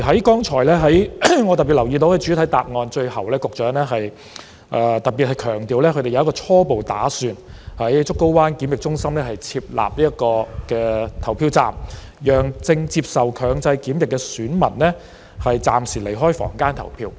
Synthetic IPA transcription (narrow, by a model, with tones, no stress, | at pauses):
ɦɐ˨˥jkɔː˥ŋt͡ʃʰɔː˨˩jlɛː˥ɦɐ˨˥jŋɔ˨˧t̪ɐ˨t̚piː˨t̚lɐ˨˩wjiː˧t̪o˨˧wkɛ˧t͡ʃyː˨˥t̪ʰɐ˨˥jt̪a̰ː˨p̚ŋɔː˧nt͡ʃɵ˧ɥhɐ˨˩wlɛː˥kʊ˨k̚t͡ʃœː˨˥ŋlɛː˥ɦɐ˨j | ʔɛː˧t̪ɐ˨t̚piː˨t̚hɐ˨jkʰœː˨˩ŋt̪iː˨˧wlɛː˥kʰɵ˧˥t̪e˨jɐ˧wkɔː˧t͡sʰɔː˥po˨wt̪aː˨˥syː˨˧nhɐ˨˥jt͡sʊ˥kːo˥wwaː˥nkiː˨˥mjɪ˨k̚t͡ʃʊ˥ŋsɐ˥mlɛː˥hɐ˨jt͡sʰiː˧p̚la̰ː˨˩p̚liː˥jɐ˥t̚kɔː˧kɛː˧t̪ʰɐ˨˩wpʰiː˧wt͡sa̰ː˨mjœː˨˩ŋt͡sɪ˧ŋt͡siː˧˥p̚sɐ˨wkʰœː˨˧ŋt͡sɐ˧jkiː˨˥mjɪ˨kːɛ˧syː˨˥nmɐ̰˨˩nlɛː˥ | hɐ˨jt͡sa̰ː˨˩msiː˨˩le˨˩jɦɔː˥jfɔ̰ː˨˩ŋkaː˥nt̪ʰɐ̰˨˩wpʰiː˧w